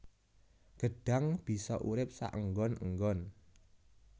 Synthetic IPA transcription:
ɡ̥ə̤ɖ̥a̤ŋb̥i̤sɔʔuɾɪp̚sa̰ʔəŋɡɔnəŋɡɔn

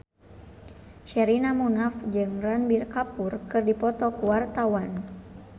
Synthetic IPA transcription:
ʃɛɾinamunafd͡ʒɨŋranbirkapurkɨrdipɔt̪ɔkuwart̪awan

